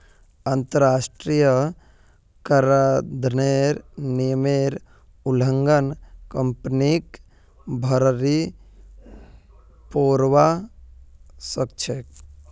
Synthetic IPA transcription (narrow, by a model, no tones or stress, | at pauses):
ɐnt̪əɾaːsʈɾijə | kəɾad̪ʱneːɾnimeːɾ | uləŋɡənkəmpnik | bʱɐɾɾi | poːɾʋa | sək̚t͡ʃʰek